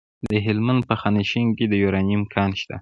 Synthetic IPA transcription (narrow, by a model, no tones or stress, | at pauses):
d̪əɦɪlmand̪̚pəxɑniʃiŋked̪əjoɾɑniimkʰɑnʃt̪a̰